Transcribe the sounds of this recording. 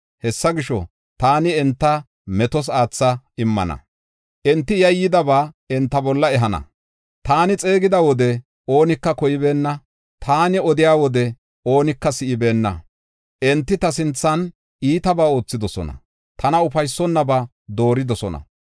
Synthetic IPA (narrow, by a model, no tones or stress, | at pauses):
hɛsːɐɡɪʃɔ̰ | t̪aːnɪɛnt̪ːɐ | mɛt̪ɔs̬aːt͡sːɐɪmːɐ̰nɐ̰ | ʔɛnt̪ːɪjɐjːɪd̪ɐbaːɛnt̪ːɐbɔlːɐɛɦɐnɐ̰ | t̪aːnɪt͡sʼe̞ːɡɪd̪ɐwɔd̪ɛ | o̞ːnɪkːɐkɔjɪbe̞ːnːɐ | t̪ʰaːnɪɔd̪ɪjaːwɔd̪ɛ | o̞ːnɪkːɐsɪʔɪbe̞ːnːɐ̰ | ʔɛnt̪ːɪt̪ɐsɪnt͡sːɐn | ʔiːt̪ɐbaːo̞ːt͡sːɪd̪ɔsɔ̰nɐ̰ | t̪ʰɐnɐʊfɐjsːɔnːɐbɐ | d̪o̞ːɾɪd̪ɔsɔnɐ̰